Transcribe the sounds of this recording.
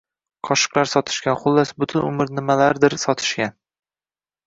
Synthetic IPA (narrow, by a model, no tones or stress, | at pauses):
qʰɒʃɨ̥qlˠaɾsɒt̪ʰɪ̥ʃkʲanχʊlːasbʊt̪ʰʊnʊ̰mɪɾnɪmalaɾd̪ɪɾsɒt̪ʰɪ̥ʃkʲan